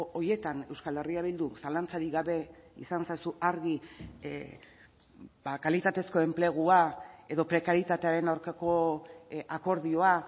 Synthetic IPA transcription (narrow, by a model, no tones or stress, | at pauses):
ʔoje̞t̪ane̞wskale̞riaβild̪usalant͡saɾiɡaβe̞ḭsansajsuʔaɾɣi | bakalit̪at̪e̞sko̞e̞mple̞ɣ̞uae̞ðo̞pɾe̞kaɾit̪at̪e̞aɾe̞nawɾkako̞ | ako̞ɾðio̞a